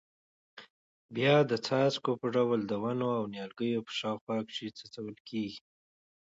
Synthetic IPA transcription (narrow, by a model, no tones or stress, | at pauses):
bjɑd̪ət͡sɑt͡skopəɖawld̪əwanoawnjɑlɡəjopə̥ʃɑxwɑkʃit͡sat͡sawəlkʰeɡi̥